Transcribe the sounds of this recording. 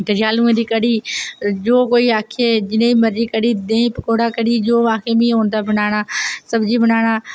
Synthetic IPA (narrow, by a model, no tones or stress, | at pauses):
t̪ɐd͡ʒijaːlũẽd̪ikɐɽid͡ʒoːkoːiaːkʰed͡ʒɪnẽimɐɾd͡ʒikəɽid̪ẽːɦĩpɪkoːɽakɐɽid͡ʒoːʋaːkemĩɦõːnd̪abɐnaːɽ̃aːsɐbd͡ʑibʱɐnaːɽ̃aː